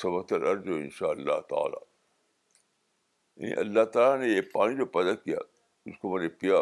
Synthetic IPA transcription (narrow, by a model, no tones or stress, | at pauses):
sɐbəɡ̚t̪əlʔɐɾzoɪ̰̃nʃaːəlːa̰ɦt̪a̰ːla̰ː | ḛ̃ḭ̃ʔɐ̰lːaɦt̪aːlanejepaːnĩd͡ʒopɐd̪əd̪̚kija̰ː | ʊskomɐnepija